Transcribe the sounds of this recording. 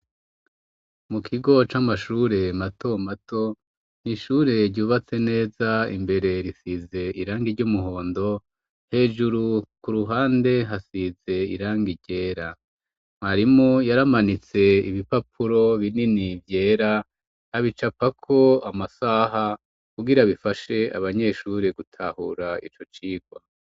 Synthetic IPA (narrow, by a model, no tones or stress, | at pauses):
mukʰiɡo̞t͡ʃamaʃuːɾe̞mato̞mato̞ | niʃuɾe̞ɾɟuːβat͡se̞ne̞ːzaḭmbe̞ɾe̞ɾisize̞iɾaːŋɡiɾɟumuɦo̞ːndo̞ | he̞ːʒuɾukuɾuɦaːnde̞ɦasize̞ḭɾaːŋɡiɟe̞ːɾa | maɾimojaɾamanit͡se̞iβipapʰuɾo̞βininivje̞ːɾa | haβit͡ʃapakʰo̞amasaɦa | kuɡiɾaβifaʃe̞a̰βaɲe̞ʃuːɾe̞ɡutʰahṵɾaḭt͡ʃo̞t͡ʃiːɡ̥wa